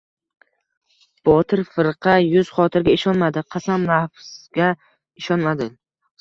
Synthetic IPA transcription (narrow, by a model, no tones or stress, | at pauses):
b̥ɒt̪ʰɪɾfɨɾqʰɑjʊz̥χɒt̪ʰɪɾɡʲaɪʃɒnmad̪ɪqʰɑsamlˠafz̥ɡʲa | ɪʃɒnmad̪ɪ